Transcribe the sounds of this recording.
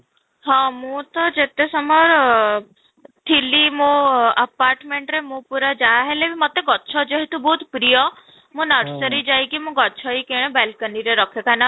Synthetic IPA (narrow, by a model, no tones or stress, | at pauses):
ɦãmũt̪ɔd͡ʒet̪esɔmɔɾ | t̪ʰilimũəpaɾʈmeɳʈɾemũpuɾad͡ʒaːɦelebimɔt̪eɡɔtːʃʰɔd͡ʒeɦet̪ũbɔɦut̪pɾijɔ | mũnəɾsəɾid͡ʒajkimũɡɔtːt͡ʃʰɔikẽebelkəniɾeɾɔkʰjɔkana